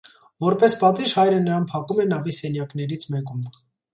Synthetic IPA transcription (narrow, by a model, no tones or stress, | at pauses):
vɔɾpɛspɑt̪iʒhɑjɾənəɾɑnpʰɑkumɛnɑvisɛnjɑkn̪ɛɾit͡sʰmɛkum